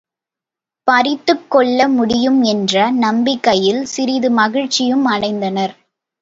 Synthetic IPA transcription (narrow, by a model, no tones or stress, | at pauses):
pɐɾɪt̪ːɯkːɔɭːɐmʊɽɪjɯmɛndrɐnɐmbɪkːɐjɪlsɪɾɪðɯmɐɣɪɻt͡ʃːɪjɯmɐɳɐɪnd̪ɐnɐɾ